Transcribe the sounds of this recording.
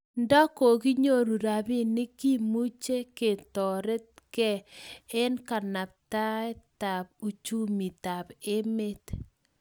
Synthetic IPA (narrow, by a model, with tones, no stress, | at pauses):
ndɔ˦ko˨ki˦ɲo˦ɾu˨ɾa˨bi˦nɪ˦ki˦mu˦t͡ʃe˦ke˨tɔ˨ɾe˦t̚kɛ˦˨e˦nka˨na˨p̚ta˦ɛ˦ta˨b̚u˨t͡ʃu˦mi˨ta˨be˦me˦t